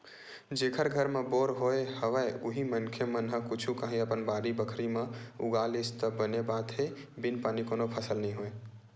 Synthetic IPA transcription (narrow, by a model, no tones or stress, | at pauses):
d͡ʒekʰəɾɡʱəɾmeboɾɦoehəʋəjuɦimənkʰemənɦə̃kut͡ʃʰukaɦĩəpənbaɾibəkʰɾimeṵɡalest̪əbənebat̪ɦebinpanikonopʰəsəlnəĩɦoe